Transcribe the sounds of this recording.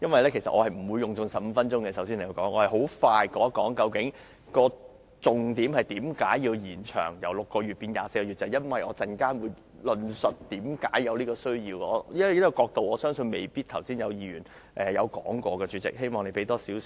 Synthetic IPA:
jɐ˥nwɐ˨jlɛː˥kʰe˨˩sɐ˨t̚ʔɔː˨˧hɐ˨jm̩˨˩wuː˨˧jːʊ˨ŋt͡sʊ˨˧ŋsɐ˨p̚m̩˨˧˦fɐ˥nt͡ʃʊ˥ŋkɛ˧sɐ˨˥wsiː˥ne˨˩kɐ˨˧wkɔː˨˥ŋʔɔː˨˧hɐ˨˩jɦo˨˥wfaː˧jkɔː˨˥kɔː˨˥ŋkɐ˧wkɪ˨˥ŋ | kɔː˧ | t͡sʊ˨ŋt̪iː˨˥mhɐ˨jt̪iː˨˥mkaː˨˥jːiː˧wjiː˨˩nt͡ʃʰœ̰ː˨˩ŋjɐ˨˩wlʊ˨kːɔː˧ɥy˨t̚pi˧nja̰ː˨˩se˧jkɔː˧yː˨˩tt͡sɐ˨˩jɐ˥nwɐ˨jɔː˨˧t͡sɐ˨nkaː˥nwuː˨˧j | lɵ˨˧nsɵ˨t̚t̪iː˨˥mkaː˨˥jjɐ˨˧wliː˥kɔː˧sɵ˥ɥjiː˧wɔ̰ː˨˧ɐ˥˨˩jɔ˨˩kɔː˧k̚t̪o˨wɔː˨˧sœː˥ŋsɵ˧nme˨jpiː˥t̚t̪ʰɐ˨˩wsiː˥njɐ˨˧wjiː˧ɥyː˨˩n | ʔɛ˨jɐ˨˧wkɔ̰ː˨˥ŋkʷɔː˧kɛː˧t͡ʃyː˨˧˥t͡sɪ̰˨k̚he˥jmɔː˨ŋne˨˧jpe˨˥jt̪ɔː˥siː˨˥w

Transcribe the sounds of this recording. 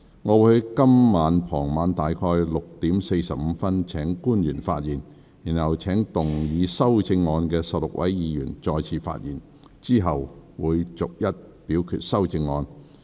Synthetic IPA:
ŋɔː˨˧wuː˨˥hkɐ˥mːaː˨˧npʰɔː˨˩ŋmaː˨˧nt̪aː˨jkʰɔː˧jlʊ˨k̚t̪iː˨˥mse˧jsɐ˨p̚m̩˨˧fɐ˥nt͡sʰɛː˨˥ŋkuː˥njyː˨˩nfa̰ː˧t̚jiː˨˩n | jiː˨˩nhɐ˨˩wt͡sʰɛː˨˥ŋt̪ʊ˨˩ŋjiː˨˧sɐ˥wt͡sɪ˧ŋːɔː˧nkɛː˧sɐ˨p̚lʊ˨k̚wʔɐ̰˨˥jjiː˨˧jyː˨˩nt͡sɔː˧jt͡sʰiː˨˧fa̰ː˧t̚jḭː˨˩n | t͡siː˥ɦɐ˨wwuː˨˧jt͡sʊ˨k̚jɐ˥t̚piː˨˥wkʰy̰ː˧t̚sɐ˥wt͡sɪ˧ŋːɔː˧n

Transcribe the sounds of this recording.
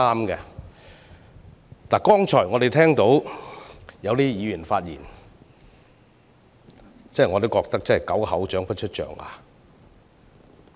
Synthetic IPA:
aː˥mkɛ˧ | t̪aː˨˩kɔː˥ŋt͡ʃʰɔː˨˩jŋɔː˨˧ɾe˨jt̪ʰɛː˥ŋt̪o˨˥w | jɐ˨˧wt̪iː˥jiː˨˧jyː˨˩nfaː˧t̚jḭː˨˩n | t͡sɐ˥ɦjŋɔː˨˧t̪o˥wkɔː˧k̚t̪ɐ˥k̚t͡sɐ˥nhɐ˨˩jkɐ˨˥whɐ˨˥wt͡ʃœː˨˥ŋpɐ˥t̚t͡ʃʰɵ˥t̚t͡ʃœ̰ː˨˩ŋa̰ː˨˧

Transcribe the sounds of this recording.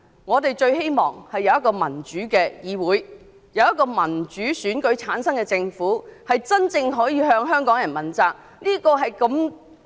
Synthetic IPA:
ŋɔː˨˧t̪e˨jt͡ʃɵ˧ɥɦe˥jmɔː˨˩ŋhɐ˨jːɐ˨˧wjɐ˥t̚kːɔː˧mɐ˨˩nt͡ʃyː˨˥kɛː˧jiː˨˧wuː˨˥j | jɐ˨˧wjɐ˥tkɔː˧mɐ˨˩nt͡ʃyː˨˥syː˨˥nkɵ˨˧˥ɥt͡sʰaː˨˥nsɐ˥ŋkɛː˧t͡sɪ˧ŋfuː˨˥hɐ˨jt͡sɐ˥nt͡sɪ˧ŋɦɔː˨˥jiː˨˧ɦœː˧ŋɦœː˥ŋkɔː˨˥ŋjɐ˨˩nmɐ˨˩nt͡saː˧k̚ | liː˥kɔː˧ɦɐ˨jkɐ˧m

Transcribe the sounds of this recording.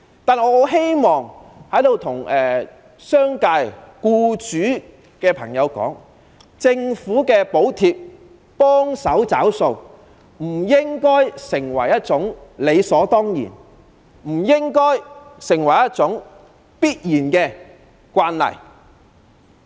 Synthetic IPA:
t̪aː˨n˧ɔː˨˧o˨˧ɦe˥jmɔː˨ŋhɐ˨˥jd̪o˨wt̪ʰʊ˨˩ŋɛː˨ | sœː˥ŋkaː˧jkuː˧t͡ʃyː˨˥ | kɛː˧pʰɐ˨˩ŋjɐ˨˧wkɔ̰ː˨˥ŋ | t͡sɪ˧ŋfuː˨˥kɛː˧po˨˥wt̪ʰiː˧p̚ | pɔː˥ŋsɐ˨˥wt͡sa̰ː˨˥wso˧w | m̩˨˩jɪ˥ŋkɔː˥jsɪ˨˩ŋwɐ˨˩jɐ˥t̚t͡sʊ˨˥ŋle˨˧jsɔː˨˥t̪ɔː˥ŋjḭː˨˩n | m̩˨˩jɪ˥ŋkɔː˥jsɪ˨˩ŋwɐ˨˩jɐ˥t̚t͡sʊ˨˥ŋ | piː˥t̚jiː˨˩nkɛː˧ | kʷaː˧nlɐ̰˨˩j

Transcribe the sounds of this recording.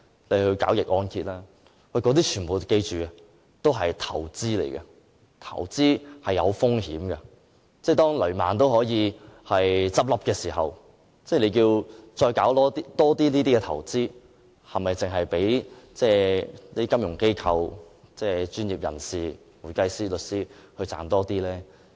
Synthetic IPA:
le˨˧hɵ˧ɥka̰ː˨˥wjɪ˨k̚ʔɔː˧nkʰiː˧t̚lɛː˥ | wɐ˨˧jkɔː˨˧˥t̪iː˥t͡ʃʰyː˨˩npo˨wke˧jt͡ʃyː˨ | t̪o˥wɦɐ˨jt̪ʰɐ˨˩wt͡siː˥lḛ˨˩jkɐ˧ | t̪ʰɐ̰˨˩wt͡siː˥hɐ˨jɐ˨˧wfʊ˥ŋhiː˨˥mɡɐ˧ | t͡sɛː˥˩t̪ɔː˥ŋlɵ˨˩ɥma̰ː˨nt̪̬o˥whɔː˨˥jiː˨˧hɐ˨jt͡sɐ˥p̚lɐ˥p̚kɛː˧siː˨˩ɦɐ̰˨w | t͡sɛː˥˩le˨˧jkiː˧wt͡ʃɔː˧jkaː˨˥wt̪ɔː˥t̪i˥t̪ɔː˥t̪iː˥liː˥t̪iː˥kɛ˧t̪ʰɐ̰˨˩wt͡siː˥ | hɐ˨mɐ˨jt͡sɪ˨ŋɦɐ˨jpe˨˥jt͡sɛː˥niː˥kɐ˥mjʊ˨˩ŋke˥jkʰɐ˧w | t͡sɛː˥t͡ʃyː˥njiː˨p̚jɐ̰˨˩nsiː˨ | muː˨˩jkɐ˥jsiː˥lɵ˨t̚siː˥hɵ˧t͡sa̰ː˨nt̪ɔː˥t̪iː˥lɛː˥

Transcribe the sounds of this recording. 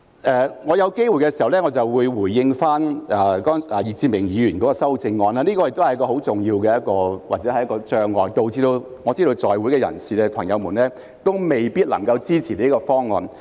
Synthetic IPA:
ʔɛː˨˧ŋɔː˨˧jɐ˨˧wke˥jwu˨jkɛ˧si˨˩hɐ˨˩wlɛ˥ŋɔː˨˧t͡sɐ˨wwuː˨˧jwuː˨˩jːɪ˧ŋfaː˥naː˨kɔː˥ŋa˨jiː˨˧t͡siː˧mɪ˨˩ŋjiː˨˧jyː˨˩nkɔː˨˥kɔː˧sɐ˥wt͡sɪ˧ŋːɔː˧naː˧niː˥kɔː˧jɪ˨k̚t̪o˥hɐ˩jɐ˥kɔː˧ho˨˥wt͡sʊ˨ŋjiː˧wkɛː˧jɐ˥t̚kɔː˧waː˨t͡sɛː˨˥hɐ˨jɐ˥kɔː˧t͡ʃœː˧ŋlɔː˨jt̪o˨˧wt͡siː˧d̪o˧wŋɔː˨˧t͡siː˥d̪o˧wt͡sɔː˨jwu˨˥jkɛ˧jɐ̰˨˩nsiː˨ɛ˧pʰɐ˨˩ŋjɐ˨˧wmuː˨˩nlɛː˥ | t̪o˥wme˨jpiː˥t̚lɐ˨˩ŋkɐ˧wt͡siː˥t͡sʰiː˨˩liː˥kɔː˧fɔː˥ŋːɔ̰ː˨n

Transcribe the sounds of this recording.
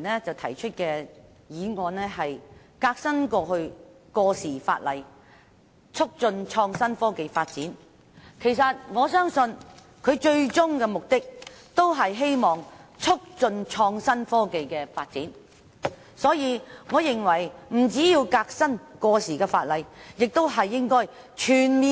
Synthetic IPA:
nɛː˥t͡sɐ˨wt̪ʰɐ˨˩jt͡ʃʰɵ˥t̚kɛː˧ | jiː˨˧ŋɔː˨˧nɛː˥ɦɐ˨j | kaː˧k̚sɐ˥nkɔː˧ɦɵ˧ɥ | kɔː˧siː˨˩fa̰ː˧t̚lɐ˨j | t͡sʰʊ˥k̚t͡sɵ˧nt͡ʃʰɔː˧ŋsɐ˥nfɔː˥ke˨˧jfaː˧t̚t͡siː˨˥n | kʰe˨˩jsɐ˨t̚ŋɔː˨˧sœː˥ŋsɵ˧n | kʰɵ˨˧t͡ʃɵ˧ɥt͡sʊ˥ŋkɛː˧mʊ˨k̚t̪ɪ˥k̚t̪o˥wɦɐ˨jɦe˥jmɔː˨ŋt͡sʰʊ˥k̚t͡sɵ˧nt͡ʃʰɔː˧ŋsɐ˥nfɔː˥ke˨˧jkɛː˧faː˧t̚t͡siː˨˥n | sɔː˨˥jiː˨˧ŋɔː˨˧jɪ˨˩ŋwɐ˨˩jm̩˨˩t͡siː˨˥jiː˧wkaː˧k̚sɐ˥nkɔː˧siː˨˩kɛː˧faː˧t̚lɐ˨jjɪ˨k̚t̪o˥wɦɐ˨jːɪ˥ŋkɔː˥j | t͡ʃʰyː˨˩nmiː˨

